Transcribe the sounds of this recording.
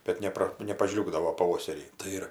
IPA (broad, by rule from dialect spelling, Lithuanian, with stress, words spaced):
bʲɛt ˈnʲæːprɐ nʲɛpɐˈʒʲlʲuːɡdɐʋoː pɐˈʋoːsʲɛrʲiː tɐɪ ˈɪr